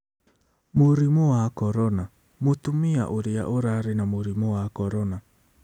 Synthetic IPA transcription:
moɾimɔwakɔɾɔna | motumia̰ʔoɾea̰ʔoɾaɾenamoɾimɔwakɔɾɔna

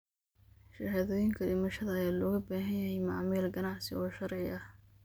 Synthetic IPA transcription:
ʃaːɦaːðɔːjɪŋkʰɐɖɪmɐʃɐðɐːjaːlɔːɣɐbaːɦɐnjɐɦɛjmɑʕmɛlɡɐnɑʕsɪɔːʃɐɾʕɪʔɐh

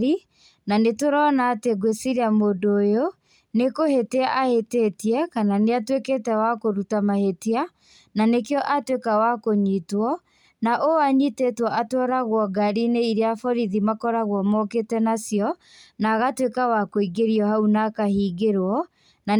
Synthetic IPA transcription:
i | nanetoɾɔnaːteɡwesiɾeamoːndoːjo | nekoheteaʔahetetiɛkananeatweketɛwakoɾutamahetea | nanekeɔʔatwekawakoɲitwɔ | naʔoaɲitetwɔʔatwɔɾaɣwɔɡaɾineiɾeafɔɾiðimakɔɾaɣwɔmɔketɛnasjɔ | naːɣatwekawakoiɡeɾiɔhaunakahiːɡeɾwɔ | na

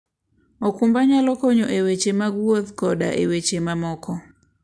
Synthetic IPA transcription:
ɔkumbaɲalɔkɔɲɔʔewet͡ʃemaɡuoðkɔɗa̰ʔḛwet͡ʃemamɔkʰɔ

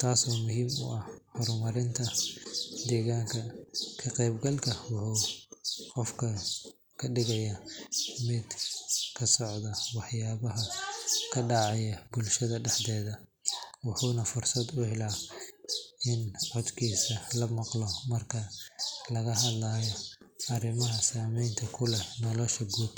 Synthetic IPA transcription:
t̪ʰaːsɔːmʊɦiːmʊ̰ʔɐhhɔɾmɐɾɪnt̪ʰɐ | d̪ɛːɣaːŋkʰɐkʰɐqɛjbɡɐlkʰɐwʊħuː | qɔfkʰɐ | kʰɐɖɪɣɐjɐmɪd̪kʰɐsɔʕd̪ɐwɑħjaːβɐɦɐkʰɐɖɑʕɑjɐbʊlʃɐðɐɖɛħd̪ɛːðɐ | wɑħuːnɐfʊrsɐd̪ʊhɛlaː | ɪnʕɔd̪kʰiːsɐlɐmɑqlɔmɐrkʰɐlɐɣɐɦɐd̪laːjɔɐrɪmɐɦɐsaːmɛjnt̪ʰɐkʰʊlɛnɔlɔʃɐɡuːd̪

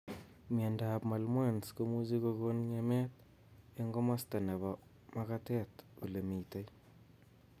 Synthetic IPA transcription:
mendapmalmwanskomusikokonɲemɛt̚ | eŋɡomastaneβɔ | makatɛtṵlemitaj

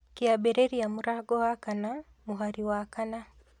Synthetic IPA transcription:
kiabɛɾeɾijamuɾaɡɔwakana | muɦaɾiwakana

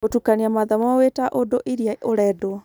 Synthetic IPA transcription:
otukaniamaðamawetaʔodoʔiɾiaoɾɛdo

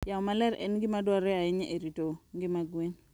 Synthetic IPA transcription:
jaɔmalɛɾɛ̰nɡɪmadwɔɾɛaɪɲʔeɾitoŋɡɪmaɡwen

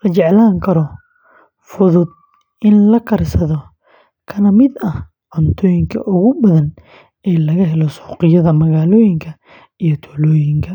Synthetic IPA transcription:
lɐt͡ʃɛʕlaːŋkʰɐɾɔ | fʊðʊd̪̚ | ɪnlɐkʰɐrsɐðɔ | kʰɐnɐmɪd̪ɐh | qɔnt̪ʰɔːjɪŋkʰɐ̰ʔʊɣʊbɐðɐn | ɛːlɐɣɐɦɛlɔsɔːqɪjɐðɐmɐɣaːlɔːjɪŋkʰɐ | ijɔt̪ʰɔːlɔːjɪŋkʰɐ

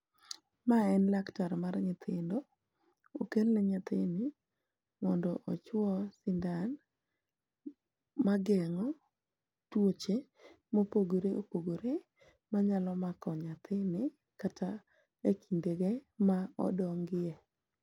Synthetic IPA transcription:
maɛnlaktaɾmarɲɪt̪ʰɪndɔ | okelnɛɲat̪ɪnɪ | mɔndɔʔɔt͡ʃwɔsɪndan | maɡɛŋɔ | twot͡ʃe | mopoɡoɾeʔopoɡoɾe | maɲalɔmakɔɲat̪ʰɪnɪ | katʰa | ekindeɡemaɔ̰dɔŋɡɪjɛ

